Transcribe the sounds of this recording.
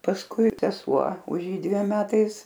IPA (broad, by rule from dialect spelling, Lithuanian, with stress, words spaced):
pɐsˈkʊɪ sʲɛˈsuɔ ʊʃ ˈjiː dʲʋʲiɛm ˈmʲæːtɐɪs